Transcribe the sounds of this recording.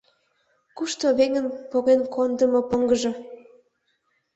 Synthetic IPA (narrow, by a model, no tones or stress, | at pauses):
kuʃt̪oβeŋənpoɣenkʰond̪əmopəŋɡəʒɤ̆